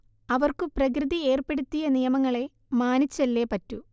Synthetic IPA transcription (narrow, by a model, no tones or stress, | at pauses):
ɐʋɐrkɨprɐk̬rɨðie̞ːrpe̞ɽut̪ːijɐnijɐmɐŋːɐɭe̞ | maːnit͡ɕːɐlːe̞ːpɐtːu